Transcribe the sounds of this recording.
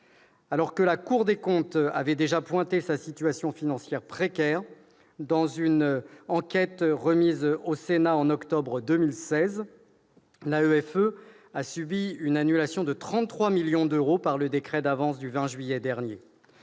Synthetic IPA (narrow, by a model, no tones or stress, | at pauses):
alɔʁkəlakuʁd̪ekɔ̃t̪avɛd̪eʒapwɛ̃t̪esasit̪yasjɔ̃finɑ̃sjɛʁpχekʲɛʁ | d̪ɑ̃zynɑ̃kʲɛt̪ʁəmizosenaɑ̃nɔkt̪ɔbʁəd̪əmilsɛz | laøɛfø | asybiynanylasjɔ̃d̪ət̪χɑ̃t̪ːχwamiljɔ̃d̪øʁopaʁləd̪ekχɛd̪avɑ̃sd̪yvɛ̃ʒɥijɛd̪ɛʁnje